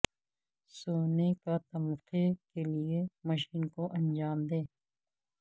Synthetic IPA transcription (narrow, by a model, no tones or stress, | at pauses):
soːnekat̪ɐmʊqʰekelieməʃiːnkoʔɐ̃nd͡ʒaːmd̪eː